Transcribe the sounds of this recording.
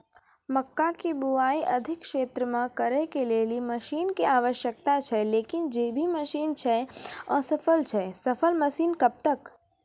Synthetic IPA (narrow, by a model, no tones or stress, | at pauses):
məkːakibuaːiʔɐd̪ʱɪkkʃeːt̪ɾəmãkəɾekeleːlimɐʃiːnkiaːʋəʃjək̚t̪at͡ʃʰɛleːkɪnd͡ʒeːbʱiməʃiːnt͡ʃʰɛɔːɾsɐfʰəlt͡ʃʰɛsɐfʰəlməʃiːnkɐb̚t̪ək